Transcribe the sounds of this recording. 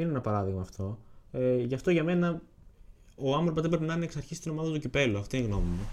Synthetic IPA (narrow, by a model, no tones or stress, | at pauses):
ineenɐpɐɾɐðiɣmɐːft̪ʰo̞ | ʝɐft̪oʝɐme̞nɐ | oɐɱfɾopɐzðep̬ɾepinɐneksɐɾçisi̥t̪ino̞mɐðɐt̪ucipe̞luɐft̪inɣno̞mume